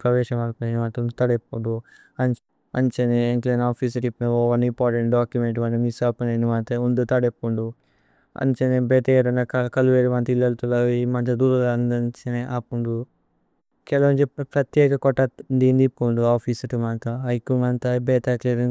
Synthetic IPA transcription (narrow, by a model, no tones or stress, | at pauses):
pɾɐʋɛːʃɐmɐlpɐnenimaːnt̪ɐund̪ut̪ɐɽepːuɳɖu | ɐn | ɐɲt͡ʃeneeŋklenaːpʰis̬ɐʈipːoːʋɐnimpaːɾʈeɳʈɖaːkjumeɳʈmɐnt̪ɐnisapunenimaːt̪ɐund̪ut̪ɐɽepːuɳɖu | ɐ̰ɲt͡ʃenebeːt̪ɐeɾɐnːɐkɐkɐluʋeːɾimɐnt̪ilːɐlt̪ulɐimɐnt͡ʃɐd̪uːɾɐlɐnd̪ɐnt͡ʃeneʔaːpːuɳɖu | kɛlɐʋɐnd͡ʒepepɾɐt̪jeːkɐkɔʈːɐnd̪ind̪ipːuɳɖuaːpʰisɐʈimaːnt̪ɐɐjkːuŋɡɐnt̪abeːt̪akleɾ